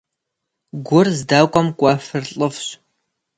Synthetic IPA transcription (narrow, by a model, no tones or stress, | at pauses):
ɡʷʊrzdaːkʷʼɔmkʷʼafɨrɬʼɨfɕ